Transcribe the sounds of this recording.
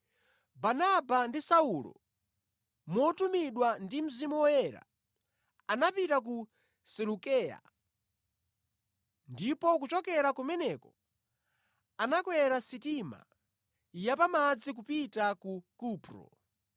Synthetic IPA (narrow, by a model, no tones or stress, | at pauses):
banabandisaulɔ̰ | mɔtumiɗwandim̩zimuwɔjɛɾa̰ | anapitak̬u | sɛlukɛːja̰ | ndipɔk̬ut͡ʃɔkɛɾakumɛnɛkɔ | anakwɛɾasitima̰ | japamad͡zik̬upitakukuːpɾɔ̰